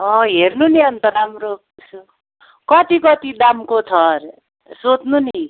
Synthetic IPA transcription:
ʌ̃ɦernuniʌnt̪ʌɾamɾo | s | kʌt̪ikʌt̪id̪amkot̪ʰʌr | sot̪nuni

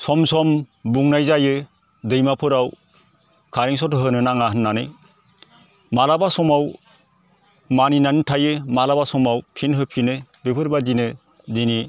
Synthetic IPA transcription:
sɔmsɔmbuŋnajzajɯ | dɯjmapʰɯɾaw | kʰaɾiŋs̬ɔtɯɦɯnɯnaŋaɦɯnːanɯ | malabasɔmaw | maninanɯtʰajɯmalabasɔmawpʰinɦɯpʰinɯbepʰɯɾbadinɯ | dini

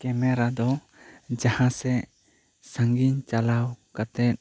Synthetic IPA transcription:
kɛmɛɾad̪ɔ | d͡ʒahãsɛ | saŋɡiɲt͡ʃalawkat̪ɛt̪̚

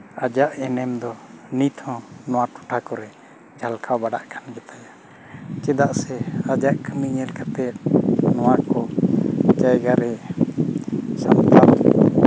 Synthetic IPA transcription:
ad͡ʒaʔɛnɛmd̪ɔnit̪ʰhɔ̃nɔwaʈu̥ʈʰakɔɾɛ | d͡ʒʱalkʰawbaɖa̰ʔkʰand͡ʒɛt̪aja | t͡ʃɛd̪aʔsɛad͡ʒaʔkʰəmiɲɛlkat̪ɛt̪̚nɔwaʔkɔ | t͡ʃajɡaɾɛ | sa̰mt̪al

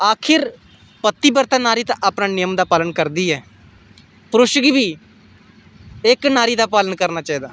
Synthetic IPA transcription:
aːkʰɪɾ | pət̪ːiːbəɾt̪ãːnaːɾiːt̪ãʔaːpnaːnɪjəmd̪aːpaːlənkəɾd̪iːɛː | pɾʊʃɡiʋiː | ɪknaːɾiːd̪aːpaːlənkəɾnaːt͡ʃaːiːd̪aː

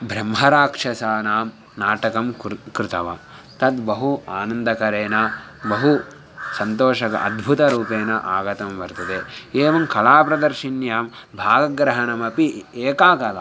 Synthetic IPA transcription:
bʱɾɐmɦɐɾaːkʂɐsaːnaːm | naːʈɐkɐmkɾɪt̪ɐʋɐ̰ | t̪ɐd̪bɐɦuaːnɐnd̪ɐkɐɾeːnɐ | bɐɦu | sɐnt̪oːʃɐkɐ̰ʔɐ̰d̪bʱut̪ɐɾuːpeːnɐʔaːɡɐt̪ɐmʋɐɾt̪ɐd̪eeːʋɐmkɐlaːpɾɐd̪ɐɾʃinjaːmbʱaːɡɐɡɾɐɦɐnɐmɐpieːkaːkɐla

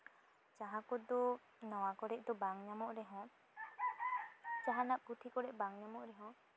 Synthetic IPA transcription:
t͡ʃaɦãkɔd̪ɔ | nɔwakɔɽɛʔ̚d̪ɔbaŋɲamɔʔɾɛɦɔ̃ | t͡ʃaɦanap̚ut̪ʰikɔɽɛʔbaŋɲamɔʔɾɛɦɔ̃

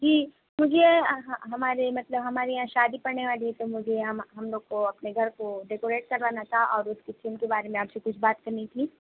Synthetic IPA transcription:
d͡ʒiː | mʊd͡ʒʱeɦɦɐmaːɾemɐt̪ləbɦɐmaːɾiɦãːʃaːd̪ipɐɾneʋaːliɦɛt̪omʊd͡ʒʱeɦɐmɦɐmloːɡ̚koɐpneɡʱɐɾkoɖeːkoːɾeːʈ̚kɐɾʋaːnat̪ʰaʔɔːɾʊskit̪ʰimkebaːɾemẽaːpsekʊt͡ʃʰbaːt̪kɐɾnit̪ʰiː

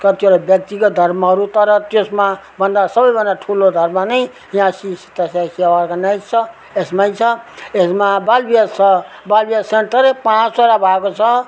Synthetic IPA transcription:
kʌt̪joɾʌbjʌk̚t̪ikʌd̪ʱʌɾmʌɦʌɾut̪ʌɾʌt̪josma | bʌnd̪asʌbʌjbʌnd̪aʈʰulod̪ʱʌɾmanʌj | jãsisi̥t̪asasiawaɾkanʌjt͡sʰʌ | esmajt͡sʰʌesmabalbijasʌ | balbijasenʈ̪ʌɾepãt͡ssaɾabʱaekot͡sʰʌ

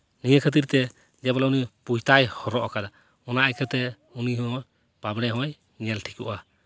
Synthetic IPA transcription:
nijəkʰət̪̬iɾt̪ɛ | d͡ʒɛbɔlaunipujt̪ajhɔɾɔʔɔkad̪a | ɔnaʔajkʰət̪ɛ | uniɦɔɦɔ̃ | pabɽɛɦɔ̃j | ɲɛlʈʰi̥kṵʔa

